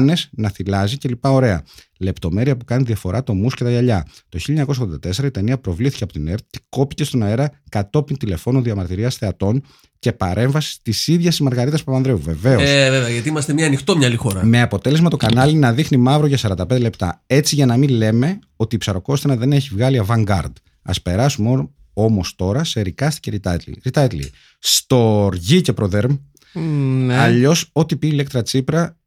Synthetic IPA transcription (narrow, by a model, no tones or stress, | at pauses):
ne̞snɐθilɐzice̞lipɐo̞ɾe̞ɐ̰ | le̞pt̪o̞me̞ɾiɐpukɐniðiɐfo̞ɾʔɐt̪o̞musce̞t̪ɐʝɐʎɐt̪oçiʎɐɲɐkos̬oɣðond̪ɐt̪e̞se̞ɾɐit̪eniɐpɾo̞vliθi̥cɐpo̞t̪ineɾt̪i̥ko̞pice̞st̪o̞nɐeɾɐkɐt̪o̞pint̪ile̞fo̞nuðiɐmɐɾt̪iɾiɐsθe̞ɐt̪o̞n | ce̞pɐɾʔe̞ɱvɐsi̥t̪isiðʝɐsizmɐɾɣɐɾit̪ɐspɐpɐnðɾeuve̞ve̞osveveɐʝɐt̪iimɐst̪emɲɐːnixt̪omɲɐlixo̞ɾɐme̞ɐpo̞t̪e̞lezmɐt̪o̞kɐnɐlinɐðixnimɐvɾoʝɐsɐɾɐnd̪ɐpe̞nd̪ele̞p̚t̪ɐ̰e̞t͡siʝɐnɐminle̞me̞ | o̞t̪iːpsɐɾo̞ko̞st̪enɐðe̞ne̞çivɣɐliɐvɐŋɡɐ̰ɾd̪ | ɐ̰spe̞ɾɐsumo | o̞mo̞st̪o̞ɾɐse̞ɾikɐst̪ice̞ɾit̪ɐ̰t̪lḭɾit̪ɐt̪lḭ | st̪o̞ɾʝice̞pɾo̞ðeɾm | nɐʎo̞so̞t̪ipiːlek̚t̪ɾɐt͡sipɾɐ